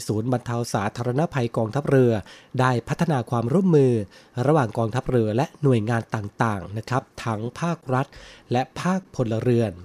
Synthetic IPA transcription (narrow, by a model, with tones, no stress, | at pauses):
suː˩˦nba˧nt̪ʰa˧wsaː˩˦t̪ʰaː˧ɾa˧na˦˥pʰa˧jkɔː˧ŋt̪ʰa˦˥p̚ɾɯ˧ɐdaː˥˩jpʰa˦˥t̪ʰːa˧naː˧kʰwaː˧mɾu˥˩əmːɯː˧ɾa˧waː˨˩ŋkɔː˧ŋt̪ʰa˦˥p̚ɾɯ˧ɐlɛ˦˥ʔnu˨˩əjŋaː˧nt̪aː˨˩ŋt̪aː˨˩ŋna˦˥kʰɾa˦˥p̚t̪ʰa˦˥ŋpʰaː˥˩k̚ɾa˦˥t̪̚lɛ˦˥pʰaː˥˩k̚pʰo˧nla˧ɾɯ˧ən